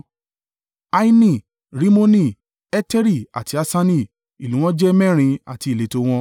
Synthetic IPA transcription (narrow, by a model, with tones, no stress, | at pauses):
a˦i˦nĩ˦˨ | ɾi˦mo˦nĩ˦˨ | ɛ˦tɛ˦ɾi˦˨a̰˨ti˨˦a˧sa˦nĩ˦˨ | i˨lũ˨˦w̃ɔ̃˦d͡ʒɛ˦mɛ̃˦˨ɾ̃ĩ˧a̰˨ti˨˧i˨le˨˦to˧w̃ɔ̃˧